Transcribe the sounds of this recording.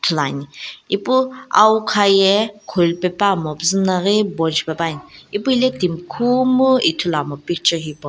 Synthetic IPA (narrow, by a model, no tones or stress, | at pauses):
t̪ʰulaniipua̰wkʰajɛkʰolpɛpamɔpzɨnaɣebɔnt͡ʃpabanipuilɛt̪imkʰumuit̪ʰulamɔpik̚t͡ʃɔɦipɔ